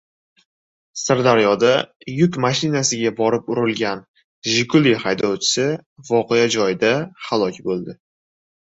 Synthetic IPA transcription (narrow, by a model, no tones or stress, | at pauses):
saɾd̪aɾjɒd̪a | jʊkmaʃɪnasɪɡʲabɒɾɪpʊɾɪlɡʲan | ʒɪkʰʊlihajd̪ɒwt͡ʃʰɪ̥sɪvɒqʰe̞jad͡ʒɒjɪd̪ahalˠɒkʲbolˠd̪ɪ